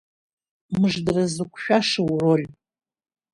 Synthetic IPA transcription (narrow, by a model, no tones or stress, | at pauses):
mɨʐdrazɨkʷʰʃᶣaʂɨwror